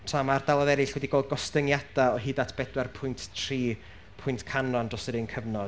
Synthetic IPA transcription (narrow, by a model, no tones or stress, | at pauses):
tʰamardawɔðɛɾɪɬwɛdiɡoːlˠd̚ɡɔstəŋjad̥aɔɦiːdatʰb̥ɛdwɛrpʰʊjntʰtʰriː | pʰʊjntkʰanɔndrɔsəɾənkʰəvnɔ